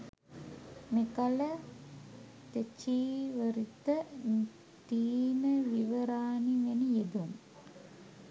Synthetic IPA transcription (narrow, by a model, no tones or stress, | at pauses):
mekɐlə | t̪et͡ʃiːʋəɾit̪ən | t̪iːnəʋiʋɐɾaːniʋenijed̪um